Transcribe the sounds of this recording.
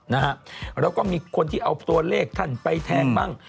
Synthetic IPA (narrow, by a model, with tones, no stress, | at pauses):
na˦˥hʰa˦˥ʔɾɛː˧˥wkɔː˥˩miː˧kʰo˧nt̪ʰiː˥˩ʔa˧wt̪u˧ɐleː˥˩k̚t̪ʰa˥˩npa˧jt̪ʰɛː˧ŋbaː˥˩ŋ